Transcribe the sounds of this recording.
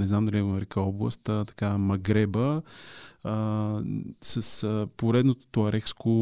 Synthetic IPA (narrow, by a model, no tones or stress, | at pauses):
nɛznamd̪ɐlʲiɛɡonɐɾɛkəɔblˠə̰st̪ət̪ɐ̥kamɐɡɾɛbə | ə | səsəpoɾɛd̪not̪o̥t̪oɐɾɛksko